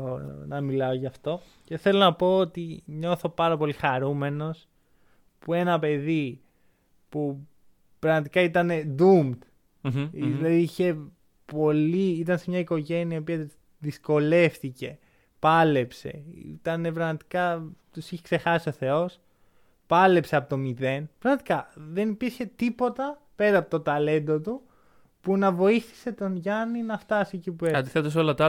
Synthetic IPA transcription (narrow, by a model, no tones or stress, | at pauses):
nɐmilɐo̞ʝɐft̪o̞ | ce̞θe̞lo̞nɐpo̞ot̪iɲo̞θo̞pɐɾɐpo̞lixɐɾume̞no̞s | pue̞nɐpe̞ði | pu | pɾɐɣmɐt̪ikɐit̪ɐne̞d̪umt̪ | zlɐðiiçe̞ | po̞liit̪ɐnsemɲɐiko̞ʝe̞niɐiopiɐ | ðisko̞le̞fθice̞ | pɐle̞pse̞̰ḭt̪ɐne̞pɾɐɣmɐt̪i̥kɐt̪usiçekse̞xɐsio̞θe̞o̞s | pɐle̞pse̞ɐpot̪omiðe̞npɾɐɣmɐt̪i̥kɐðe̞nipiɾçe̞t̪ipo̞t̪ɐ | pe̞ɾɐpot̪o̞t̪ɐle̞nd̪o̞t̪u | punɐvo̞iθi̥se̞t̪o̞nʝɐninɐft̪ɐsiecipueɐnd̪iθet̪es̬olɐt̪